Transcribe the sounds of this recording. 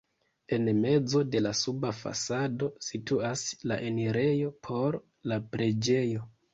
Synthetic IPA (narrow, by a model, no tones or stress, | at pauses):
e̞nme̞d͡zo̞de̞lasubafa̰sado̞situaslaʔe̞neɾe̞jo̞pʰo̞ɾ | lapɾe̞d͡ʒe̞jo̞